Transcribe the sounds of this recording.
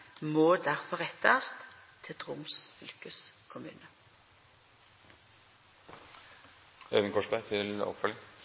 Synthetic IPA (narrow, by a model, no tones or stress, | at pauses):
moːd̪æʁfɔʁɛt̪ʰːəst̪t̪ʰɪt̪ʁʊmsfʏlkəskʰʊmʉ̰ːnə | øːʋənkʰɔʂbæɪt̪ʰɪlɔ̰pfœlɪŋ